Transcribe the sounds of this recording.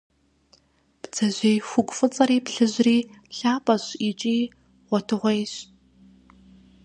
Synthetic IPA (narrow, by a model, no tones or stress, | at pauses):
b̥d͡zɐʑʷejxʷʊkʷʼfɨt͡sʼɐɾiːpɬɨʑriːɬaːpʼɐɕit͡ʃʼiː | ʁʷɔtʰɨʁʷejɕ